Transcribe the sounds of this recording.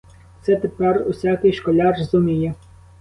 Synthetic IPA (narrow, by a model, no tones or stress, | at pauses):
t̪sɛt̪epɛrṵsʲakɪjʃkɔlʲɑrɔzʊmʲijɛ